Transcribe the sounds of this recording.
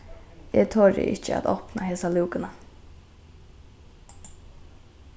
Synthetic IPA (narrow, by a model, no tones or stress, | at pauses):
ɛt̪ʰɔːɹɪ̰ʔɪ̰t͡ʃəa̰t̪ɔpnaɦeːsaluːkɪna